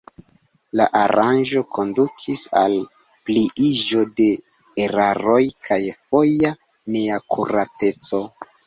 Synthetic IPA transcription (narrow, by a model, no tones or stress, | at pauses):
la̰ʔaɾand͡ʒo̞kʰo̞ndukʰisa̰l | pliʔiʒo̞de̞ː | ɾaɾo̞jkʰajfo̞ja | neakʰuɾate̞t͡so̞